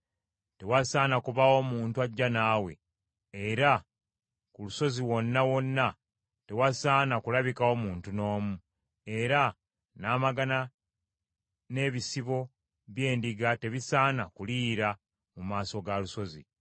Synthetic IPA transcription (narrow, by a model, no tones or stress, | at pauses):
te̞wasaːnakuβawo̞muːntuaɟːanaːwe̞̰ | eɾa | kuluso̞ziwo̞nːawo̞nːa | te̞wasaːnakulaβikawo̞muːntuno̞ːmu | e̞ɾa | naːmaɡana | ne̞ːβisiβo̞ | βje̞ːndiɡate̞βisaːnakuliːɾa | mumaːso̞ɡaluso̞zḭ